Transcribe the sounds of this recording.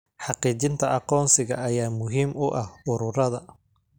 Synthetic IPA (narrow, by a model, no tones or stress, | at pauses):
ħɑqiːt͡ʃɪnt̪ʰɐʔɑqɔːnsɪɣɐɐjaːmʊɦiːmʊʔɐhʊɾʊɾɐðɐ